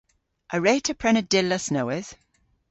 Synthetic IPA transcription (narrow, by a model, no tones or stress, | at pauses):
ʔəɹeːtʰəpʰɹ̥ɛnədɪlːəsnoʊɪz̥